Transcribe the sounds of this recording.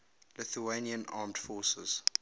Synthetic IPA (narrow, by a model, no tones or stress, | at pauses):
lɪθueniə̃nʔɑ̰ːmdfɔsə̰z̥